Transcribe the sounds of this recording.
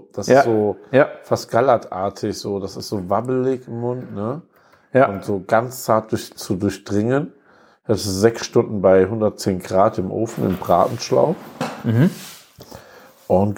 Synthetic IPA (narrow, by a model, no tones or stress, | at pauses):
d̥asɪsz̥oːjafɛɐstɡ̥alɐtʔaːɐtʰɪçz̥oːdasɪstz̥oːvabəlɪçɪmːʊntnə | jaʊntz̥oːɡant͡st͡saɐt̚d̥ʊɐçt͡sudʊɐçd̥ʁɪŋən | d̥atɪsz̥ɛksʃtʊndn̩baɪɦʊndɐtt͡seːnɡʁaːtɪmʔoːfn̩ɪ̰mbʁaːtn̩ʃla̰ʊx̩ | ʔʊnt